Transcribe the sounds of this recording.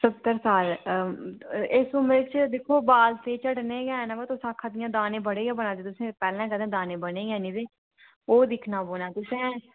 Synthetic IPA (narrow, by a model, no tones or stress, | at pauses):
sʊt̪əɾsaːl | ɪsʊmɾeːt͡ʃd̪eːkʰoːbaːlt̪eːt͡ʃəɽneːɡɛːnabat̪ʊsãːkʰaːd̪ɪjãːd̪aːnẽːbəɽeːɡɛ̃ːbənaːd̪eːt̪ʊsẽːpɛːlɛ̃ːkəd̪ẽːd̪aːnẽːbəneːɡɛ̃ːnĩːd̪eː | oːd̪ɪkʰnaːboːnaːt̪ʊsẽː